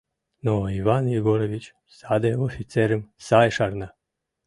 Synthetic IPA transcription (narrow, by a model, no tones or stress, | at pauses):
noiʋanjiɡoɾoʋit͡ɕ | sad̪ajeofit̪seɾemsajʃaɾna